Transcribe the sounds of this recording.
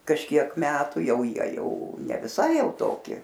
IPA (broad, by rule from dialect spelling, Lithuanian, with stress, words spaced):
kɐʃʲˈkʲiɛk ˈmʲæːtʊ ˈjɛʊ ˈjiɛ ˈjɛʊ nʲɛ ʋʲɪˈsɐɪ ˈjɛʊ ˈtoːkʲɪ